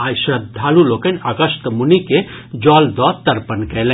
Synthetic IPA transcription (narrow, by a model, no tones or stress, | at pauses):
ajsəd̪ʱːaːlulokənʲəɡəst̪munike | d͡ʒɔld̪ɔt̪əɾpənkɛlɛ̃